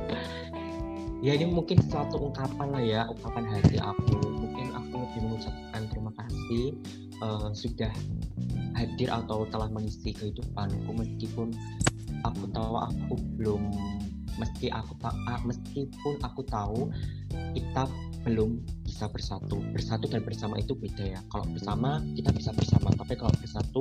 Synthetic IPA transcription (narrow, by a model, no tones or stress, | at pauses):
jainimuŋkɪnsəlat̪uʔəŋkapaŋajaʔukapanɦat̪iʔa̰kumuŋkɪnʔa̰kudiməŋut͡ʃap̚kant̪ɾimakasi | ʔəmsudah | hadɪɾʔa̰t̪awt̪əlahməŋisikəɦidupanakuməskipʊn | akut̪auʔa̰kubəlʊmː | əskiʔakut̪aʔaməskipʊnʔakut̪au | kit̪ap̚ | b̥əlʊmb̥isab̥ərsat̪ub̥ərsat̪udanbərsamait̪ubed̥ajakalo̰ʔb̥ərsamakit̪ab̥isab̥ərsamat̪apikalo̰ʔb̥ərsat̪u